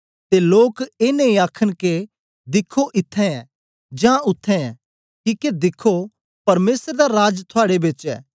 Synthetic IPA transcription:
t̪eloːkeːnẽĩaːkʰəɽ̃ke | d̪ɪkʰːoʔɪt̪ʰːɛ̃ɛ̃ | d͡ʒãʊt̪ʰːɛ̃ɛ̃ | kiːked̪ɪkʰːo | pɐɾmeːsɾed̪aɾaːd͡ʒt̪ʰʊaːɽebɪt͡ʃɛ̰ː

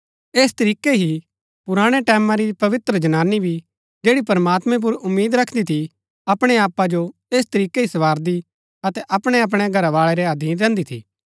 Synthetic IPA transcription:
eːst̪ɐɾiːkeɦi | pʊɾaːɽ̃eʈɛːmãɾipɐʋɪt̪ɾəd͡ʒɐnaːnːibʱi | d͡ʒeːɽipɐɾmaːt̪mɛ̃p̬ʊɾʊmːiːd̪ɾɐkʰd̪it̪ʰi | ɐpɽ̃eaːpad͡ʒoeːst̪ɐɾiːkeɦisɐʋaːɾd̪i | ɐt̪ɛʔɐpɽ̃eɐp̬ɽ̃eɡʱɐɾaʋaːɭɛɾɛɐd̪ʱiːɾɛ̃ːnd̪it̪ʰḭː

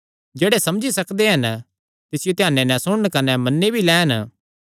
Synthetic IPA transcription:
d͡ʒeːɽesɐmd͡ʒisɐkd̪eɦɐn | t̪ɪsɪjot̪ɪjaːnːenɛ̃sʊɽ̃əɳkɐnɛmɐnːebʱilɛːɦn

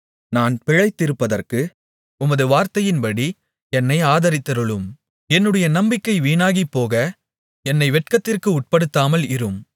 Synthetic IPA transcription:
naːnpɛɻɐɪt̪ːɪɾɯpːɐðɐrkɯ | ʊmɐðɯʋaːɾt̪ɐjɪnpɐɽi | ɛnːɐɪaːðɐɾɪt̪ːɐɾɯɭɯm | ɛnːɯɽɐjɐnɐmbɪkːɐɪʋiːnaːɣipːoːɣɐ | ɛnːɐɪʋɛʈkɐt̪ːɪrkɯʊʈ̚pɐɽɯt̪ːaːmɐlɪɾɯm

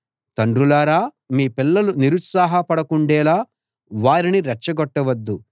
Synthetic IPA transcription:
t̪ɐɳɖɾulaːɾaː | miːpilːɐluniɾut̪saːɦɐpɐɽɐkuɳɖɛːlaː | ʋaːɾiniɾɐt͡ʃːɐɡɔʈːɐʋɐd̪ːu

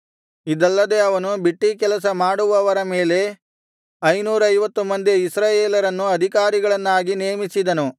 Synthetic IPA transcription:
id̪ɐlːɐd̪e̞ɐʋɐnubiʈːikɛlɐs̬ɐmaːɽuʋɐʋɐɾɐmeːle̞ | ɐjnuːɾɐɐjʋɐt̪ːumɐnd̪iisɾaːjeːlɐɾɐnːuɐd̪ʱikaːɾiɡɐɭɐnːaːɡineːmisid̪ɐnu

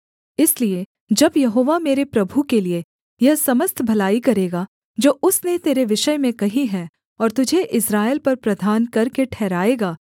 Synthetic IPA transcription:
ɪslie | d͡ʒɐbjɐɦoːʋameːɾepɾɐbʱukelie | jɐɦsɐməst̪ʰbʱɐlaːikɐɾeːɡa | d͡ʒoːʊsnet̪eːɾeʋɪʃəjmẽkɐɦĩɦɛː | ɔːɾt̪ʊd͡ʒʱeʔɪsɾaːelpɐɾpɾɐd̪ʱaːnkɐɾkeʈʰɛːɾaːeːɡaː

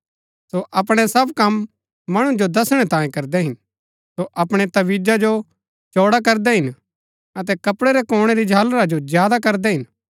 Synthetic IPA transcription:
soʔɐpɽ̃ɛsɐbkɐmː | ɐɽ̃ũd͡ʒod̪ɐsɽ̃ɛt̪ãːẽkɐɾd̪ɛɦɪn | soʔɐpɽ̃et̪ɐʋiːd͡ʒad͡ʒo | t͡ʃoːɽak̬ɐɾd̪ɛɦɪn | ɐt̪ɛkɐpɽeɾɛkoːɽ̃eɾid͡ʒʱaːlɾad͡ʒozjaːd̪akɐɾd̪ɛɦɪn

